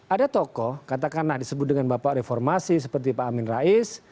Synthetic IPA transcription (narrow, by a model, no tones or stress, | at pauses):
ʔadat̪ɔkɔkat̪akanlahdisəbʊt̪̚dəŋanbapaʔrefɔrmasisəpərt̪ipaːmɪnraɪs